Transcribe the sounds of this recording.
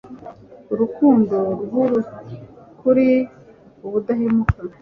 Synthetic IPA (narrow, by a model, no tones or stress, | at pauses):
uɾukuːndoɾuɦuɾu | kuɾi | uβudahemuka